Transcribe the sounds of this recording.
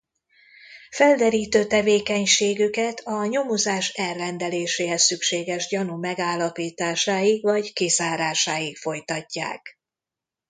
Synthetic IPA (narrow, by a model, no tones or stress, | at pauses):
fɛld̪ɛɾiːt̪øːt̪ɛveːkɛɲʃeːɡykɛt̪ʰɒɲo̞muzaːʃɛrːɛnd̪ɛleːʃeːɦɛsːykʃeːɡɛʒɟɒnumɛɡaːlːɒpiːt̪aːʃaːjikvɒckizaːɾaːʃaːjikfo̞jt̪ɒcːa̰ːk